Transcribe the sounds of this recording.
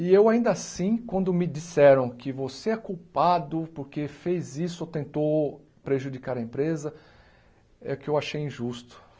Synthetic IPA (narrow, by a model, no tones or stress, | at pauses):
ɪewaĩnd̪ɐasĩkwɐ̃nd̪ʊmɪd͡ʒisɛɾɐ̃w̃kɪvoseɛkuwpad̪ʊpʊɾkefejzisʊot̪ẽnt̪ow | pɾeʒud͡ʒikaɾɐẽpɾezɐ | ɛʊkɪewaʃejĩʒust̪ʊ̥